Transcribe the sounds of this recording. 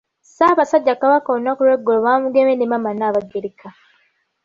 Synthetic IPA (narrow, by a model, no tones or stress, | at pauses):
saːβasaɟːakaβakaonakuɾeɡoloβamuɡemenemamanaβaɡeɾikʰa